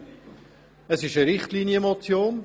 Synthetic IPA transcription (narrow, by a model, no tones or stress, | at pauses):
əsɪʃəɾɪχtliːnjəmɔt͡sjoːn